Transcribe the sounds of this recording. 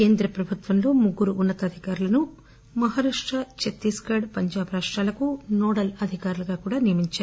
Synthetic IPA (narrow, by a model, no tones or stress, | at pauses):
ke̞ːnd̪ɾɐpɾɐbʱut̪ʋɐnlo̞ːmuɡːuɾuːnːɐt̪ɐd̪ʱikaːɾulɐnu | mɐɦaːɾaːʂʈɾɐt͡ʃet̪ːiːskɐːɽpɐɲd͡ʒaːbɐɾaːʂʈɾaːlɐkunɔːɽɐlɐd̪ʱikaːɾuluɡaːkuːɽaːnijɐmiɲt͡ʃaːɾu